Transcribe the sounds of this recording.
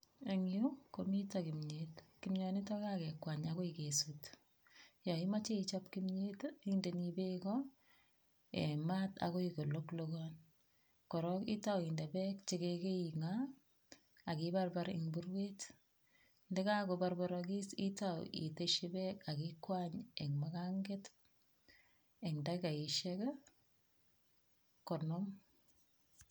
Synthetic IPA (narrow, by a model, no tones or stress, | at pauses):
eŋjukomitakimɲetkimɲɔnitɔkakɛkwaɲakoikesut | jɔimat͡ʃeit͡ʃapkimɲetindenibekɔ | ḛmata̰koikolokloɡɔn | kɔɾɔkḭtawindebɛkt͡ʃekekeiŋa | kibarbaɾɪ̰ŋbuɾwet | ndɛkakobaɾbɔɾɔkisitaw̰ḭteʃibɛkakikwaɲɛŋmakaŋɡet | ɛŋdakaiʃɛk | kɔnɔm